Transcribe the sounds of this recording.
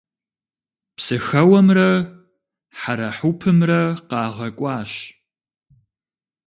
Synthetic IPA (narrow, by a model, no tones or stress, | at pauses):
psɨxɐwɐmrɐ | ħaɾɐħupʰɨmrɐqɑːʁɐkʷʼɑːɕ